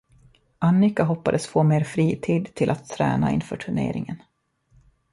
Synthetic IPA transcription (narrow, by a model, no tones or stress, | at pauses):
ʔanːɪkaɦɔpːad̪əsfoːmeːɾfɾiːt̪ʰiːd̪t̪ʰɪlʔat̪ʰːɾɛ̰ːnaɪnfœːʈʰɵɳḛːɾɪŋən